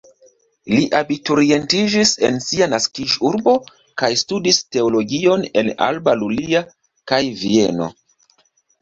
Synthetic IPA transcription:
liʔabituɾie̞ntid͡ʒise̞̰nsianaskid͡ʒuɾbo̞ | kajstudiste̞o̞lo̞ɡio̞ne̞na̰lbalulia | kajvie̞no̞̰

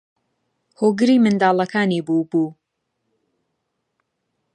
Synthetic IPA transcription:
hoːɡɨɾiːmɨnd̪aːlˠɐkʰaːniːbuːbuː

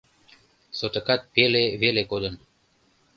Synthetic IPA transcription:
sot̪ekɑt̪̚peleβelekod̪ə̆n

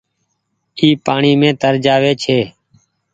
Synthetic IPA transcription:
iːpaːɳiːmẽːt̪əɾd͡ʒaːʋeːt͡ʃʰeː

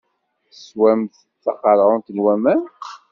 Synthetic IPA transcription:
swæmθ | t͡sːɑqɑɾˤʁʊnt̪ənwæmæn

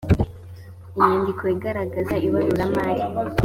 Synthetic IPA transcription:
ijiːndikʰoiɡaɾaɡazaʔiβaɾizamaːɾi

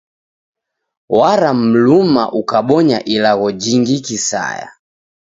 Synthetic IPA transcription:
waɾam̩luma̰ʔukaɓɔɲaʔilaɣɔd͡ʒiŋɡikisa̰ja̰

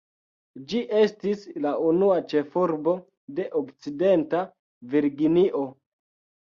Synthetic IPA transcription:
d͡ʒiʔe̞stislaunuat͡ʃe̞fuɾbo̞ | de̞ʔokt͡side̞nta | viɾɡiniʔo̞

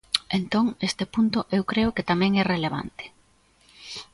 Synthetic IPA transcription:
ent̪oŋest̪epunt̪ʊʔewkɾeʊket̪amɛ̃ŋɛreleβ̞a̰nt̪ɪ̥

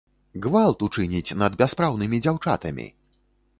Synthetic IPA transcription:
ɣvalˠt̪ut͡ʂɨnʲit͡sʲnɐd̪bʲaspɾawnɨmʲid͡zʲawt͡ʂa̰t̪ɐmʲḭ

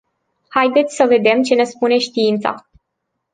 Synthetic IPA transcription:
hajd̪e̞t̪sʲsəve̞d̪e̞mt͡ʃe̞ne̞spune̞ʃt̪iint̪sa̰

